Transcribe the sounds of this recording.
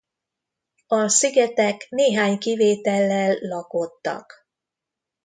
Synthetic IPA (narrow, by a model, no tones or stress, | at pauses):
ɒsiɡɛt̪ɛkneːɦaːɲkiveːt̪ɛlːɛlːɒko̞t̪ːɒ̰k